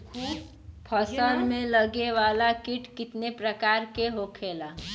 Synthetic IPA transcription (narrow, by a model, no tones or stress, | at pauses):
pʰəsəlmẽləɡeʋaːlakɪʈkɪt̪nepɾəkaːɾkeɦokʰeːlaː